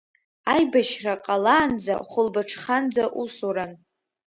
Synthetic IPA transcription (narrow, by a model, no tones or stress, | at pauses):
ajbaʃraqʼalaːnd͡za̰χʷʊlbaʈ͡ʂʰχand͡zaʔusoɾan